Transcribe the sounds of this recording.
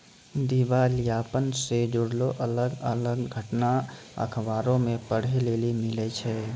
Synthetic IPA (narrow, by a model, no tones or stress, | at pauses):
d̪iːʋalijaːpənsed͡ʒʊɽloʔɐləɡələɡɡʱəʈna | ə̰kʰʋaːɾõmẽpəɽ̤eleːlimɪlet͡ʃʰɛː